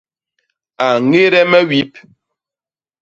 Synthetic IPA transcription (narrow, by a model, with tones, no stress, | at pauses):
a˨ŋe˦ɾɛ˦mɛ˦wi˦p̚